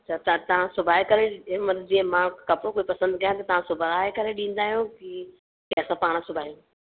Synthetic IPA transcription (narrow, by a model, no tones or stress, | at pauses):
t̪ʰɐt̪ɐt̪ɐʋ̤ãsʊbʱaːɦekɐɾemɐd̪d͡ʑiːẽmãkɐpɾokoːipɐsə̃nd̪ɡɐjãt̪̬ɐt̪ɐʋ̤ãsʊbʱɾaːɦekɐɾeɗĩːn̆d̪aːɦijõki | keɐsãpaːɽ̃sʊbʱaːijũ